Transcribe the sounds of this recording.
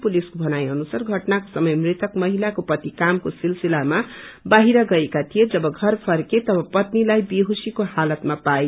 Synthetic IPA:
puliskobʱʌnajʌnusarɡʱʌʈnako̥sʌmʌjmrit̪ʌkmʌɦilakopʌt̪ikamkosilsilamabaɦiɾʌɡʌekat̪ʰijed͡zʌbʌɡʱʌrpʰʌrket̪ʌbʌpʌt̪nilajbiɦusikohalʌt̪mapae

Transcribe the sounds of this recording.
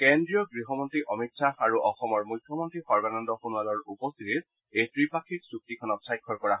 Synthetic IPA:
kendɹijɔɡɹiɦɔmɔntɹiʔɔmitsaaɹuʔɔxɔmɔɹmujkʰːjɔmɔntɹixɔɹbanɔndɔxunualɔɹupɔst̪itit | ejtɹipakʰiksuk̚tikʰɔnɔt̚sajkʰːɔɹkɔɹaɦ

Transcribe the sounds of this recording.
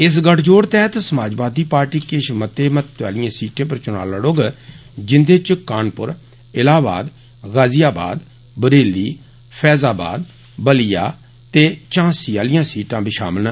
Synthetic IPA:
ɪs̬ɡəʈʰd͡ʒoːɽt̪ɛːt̪səmaːd͡ʒbaːd̪iːpaːɾʈiːkeːʃmət̪eːmət̪ːa̰ːlɪjãːsiːʈẽːpəɾt͡ʃʊna̰ːləɽoːɡd͡ʒɪnd̪eːt͡ʃkaːnpʊ̰ɾ | ɪlaːba̰ːd̪ | ɣaːzɪjaːba̰ːd̪ | bəɾeːliː | pʰɛːzaːba̰ːd̪ | bəlija̰ː | t̪eːt͡ʃãːsiːaːlɪjãːsiːʈãːbʱiːʃa̰ːməlna

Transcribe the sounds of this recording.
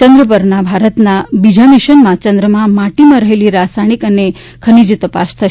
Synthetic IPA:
t͡ʃə̃ŋɡɾəpəɾnabʱaɾət̪nabid͡ʒamiʃənmãt͡ʃə̃nd̪ɾəmãmaʈimãɾəɦeliɾasajɽ̃ikəne | kʰənid͡ʒt̪əpa̰ʃt̪ʰə

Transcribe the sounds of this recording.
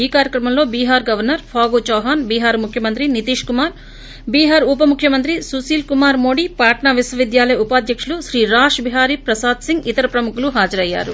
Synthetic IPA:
iːkaːɾjɐkɾɐmɐmloːbiːɦaːɾɡɐʋɐɾnɐɾpʰaːɡoːt͡ʃɔːɦaːnbiːɦaːɾmukʰjɐmɐnt̪ɾinit̪iːʂkumaːɾ | biːɦaːɾupɐmukʰjɐmɐnt̪ɾisusiːlkumaːɾmoːɽipaːʈɳaʋisʋɐʋid̪jaːlɐjɐupaːd̪jɐkʂuluʃɾiːɾaːʂbiɦaːɾipɾɐsaːd̪siŋɡit̪ɐɾɐpɾɐmukuluɦaːd͡ʒɐɾɐjːa̰ːɾṵ

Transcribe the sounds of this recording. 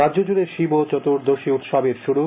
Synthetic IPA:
adʑod͡ʑuɾeɾʃibot͡ɕɔt̪uɾd̪oʃiut̪ʃabeɾʃuɽu

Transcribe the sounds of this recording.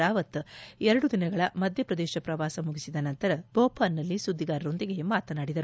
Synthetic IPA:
aːʋɐt̪ːɛɾɐɽud̪inɐɡɐɭɐmɐd̪ʱjɐpɾɐd̪ɛːʃɐpɾɐʋaːsɐmuɡisid̪ɐnɐnt̪ɐɾɐb̥oːpaːnːɐlːisud̪ːiɡaːɾɐɾo̞nd̪iɡe̞maːt̪ɐnaːɽid̪ɐɾu

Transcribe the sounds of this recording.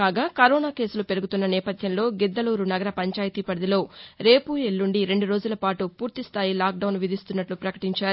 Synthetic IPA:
kaːɡaːkɐɾoːnaːke̞ːsulupeɾuɡut̪unːɐnɛːpɐd̪ʱjɐmlo̞ːɡid̪ːɐluːɾunɐɡɐɾɐpɐɲt͡ʃaːjit̪iːpɐɽɐd̪ilo̞ːɾe̞ːpuelːuɳɖiɾe̞ɳɖuɾo̞ːd͡ʒulɐpaːʈupuːɾt̪ist̪ʰaːjilaːk̚ɖɐwnʋid̪ʱist̪unːɐʈlupɾɐkɐʈiɲt͡ʃaːɾu

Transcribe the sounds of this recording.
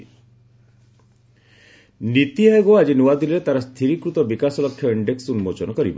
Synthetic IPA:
nit̪iaɡoad͡ʒinuwad̪ilɾet̪aɾɔst̪ʰiɾikɾut̪ɔbikasɔlɔkʰːjɔiɳɖeksunmot͡ʃɔnɔkɔɾibɔ

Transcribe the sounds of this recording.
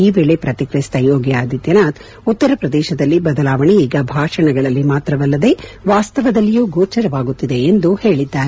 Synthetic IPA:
iːʋɛɭepɾɐt̪ikɾist̪ɐjoːɡjaːd̪it̪jɐnaːt̪ | ut̪ːɐɾɐpɾɐd̪ɛːʃɐd̪ɐlːibɐd̪ɐlaːʋɐɳiiːɡɐbʱaːʂɐɳɐɡɐɭɐlːimaːt̪ɾɐʋɐlːɐd̪e̞ʋaːst̪ɐʋɐd̪ɐlːijuːɡoːt͡ʃɐɾɐʋaːɡut̪ːid̪e̞ːnd̪uhe̞ːɭid̪ːaːɾe

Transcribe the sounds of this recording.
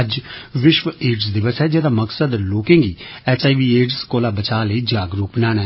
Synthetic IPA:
əd͡ʒʋɪʃʋəeːɖsd̪ɪʋəsɦɛːd͡ʒɛːd̪aːməksəd̪loːkẽːɡiːɛːt͡ʃaːiʋiːeːɖskoːlaːbət͡ʃaːləiːd͡ʒaːɡɾuːk̚bənãːɽ̃aɦɛ

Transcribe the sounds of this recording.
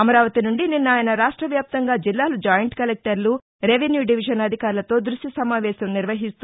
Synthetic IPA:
ɐmɐɾaːʋɐt̪inuɳɖininːaːjɐnɐɾaːʂʈɾɐʋjaːp̚t̪ɐŋɡaːd͡ʒilːaːlud͡ʒaːjɐɳʈkɐlek̚ʈɐɾlu | ɾeʋenjuːɖiʋiʃɐnɐd̪ʱikaːɾulɐt̪o̞ːd̪ɾuʂʈjɐsɐmaːʋɛːʃɐmniɾʋɐɦist̪u

